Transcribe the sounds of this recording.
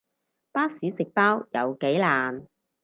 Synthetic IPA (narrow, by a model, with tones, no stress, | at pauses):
paː˥siː˨˥sɪ˨k̚paː˥wjɐ˨˧wke˨˥jlaː˨n